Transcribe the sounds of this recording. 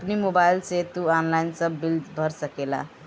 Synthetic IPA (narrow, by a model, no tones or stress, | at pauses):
pnimobajlset̪uanlainsʌbild̪bʱʌɾsəkela̰